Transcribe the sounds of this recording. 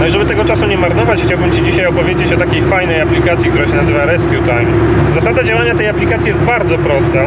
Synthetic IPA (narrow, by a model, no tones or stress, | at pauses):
nɔiʐɛbɘt̪ɛɡɔt͡ʂasuɲɛmaɾnɔvat͡ɕxt͡ɕawbɘmt͡ɕid͡ʑiɕajɔpɔvʲjed͡ʑet͡ɕɔt̪akʲejfajnɛjaplʲikat̪sʲikt̪uɾaɕɛnazɘvaɾɛskʲjut̪ajm | zasad̪ad͡ʑawaɲat̪ɛjaplʲikat̪sʲijɛst̪baɾd̪zɔpɾɔst̪a